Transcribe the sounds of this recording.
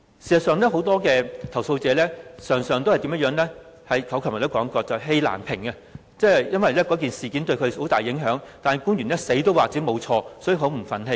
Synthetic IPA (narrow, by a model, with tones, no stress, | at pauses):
si˨˩sɐ˨tsœː˨˧ŋlɛː˥ɦo˨˥wt̪ɔː˥kɛː˧t̪ʰɐ˨˩wso˧wt͡sɛː˨˧lɛː˥sœː˨˩ŋsœː˨ŋt̪o˥whjt̪i˨˧˥mɐ˥jœː˨˥ŋlɛː˥ | hɐ˨jkʰɐ˨˥wkʰœ˨˩m˨˩t̪ːwkɔː˨˥ŋkɔː˧t͡sɐ˨ɦe˧jla̰ː˨˩npʰɪ˨˩ŋɐ˧ | t͡sɛː˥˩˨jɐ˥nwɐ˨jlɛː˥kɔ˨˧˥kiː˨nsiː˨kiː˨˥nt̪̬ɵ˧ɥkʰɵ˨˧ho˨˥wt̪aː˨˩jːɪ˨˥ŋɦœː˨˥ŋt̪aː˨nhɐ˨˩jkuː˥njy˨˩nlɛː˥se˨˥jt̪o˥waː˨k̚t͡siː˨˥mo˨˧wt͡sʰɔː˧sɔː˨˥jy˨˩ɦo˨˥wm̩˨˩fɐ˨˥nɦe˧